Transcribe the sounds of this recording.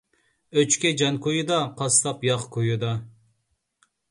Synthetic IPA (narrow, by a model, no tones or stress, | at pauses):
øt͡ʃkʲɛd͡ʒɑnkʰojud̪ɑqʰɑst̪ɑpjɑqkʰojud̪ɑ